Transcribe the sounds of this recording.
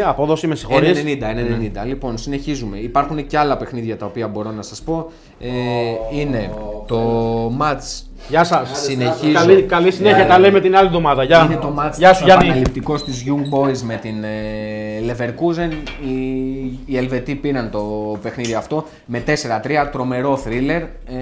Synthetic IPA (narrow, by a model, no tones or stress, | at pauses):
ɐpoðo̞simesi̥xoɾisenind̪ɐenenenind̪ɐlipo̞nsine̞çizume̞ipɐɾxune̞ceɐlɐpe̞xniðʝɐt̪ɐopiɐbo̞ɾo̞nɐsɐspo̞ | eine̞t̪o̞mɐt͡s | ʝɐsɐssineçiɐlikɐlisineçiɐt̪ɐleimet̪inɐliðomɐðɐʝɐinet̪o̞mɐt͡sʝɐsɐɐɐlipt̪iko̞st̪izʝuŋɡ̚bo̞izme̞t̪in | le̞ve̞ɾkuzeniː | e̞lve̞t̪ipiɾɐnt̪o̞pe̞xniðioɐft̪o̞ | me̞t̪e̞se̞ɾɐt̪ɾiɐt̪ɾo̞me̞ɾo̞θɾile̞ɾ